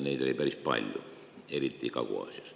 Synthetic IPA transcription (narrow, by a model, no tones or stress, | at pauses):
niːt̪oliperispɑ̰lʲjo̰ | elit̪ːiːkɑʋo̰ɑ̰ˑsiɑs